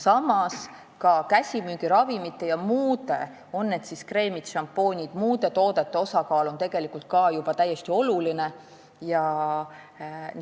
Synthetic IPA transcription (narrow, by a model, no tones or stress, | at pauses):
sɑmɑs | kɑkæsʲimyːɡ̥iɾɑvimit̪ːˑe̞jɑmuːd̪̥e̞̰ | o̞nːe̞d̪̥siskre̞ːmit̪ʃɑmpːˑo̞ːnʲid̪̥muːd̪̥e̞t̪o̞ːd̪̥et̪ːe̞o̞sɑkɑːlo̞nt̪e̞ɡ̥e̞likˑult̪̚kɑjub̥ɑt̪æjːe̞st̪io̞luline̞ | jɑ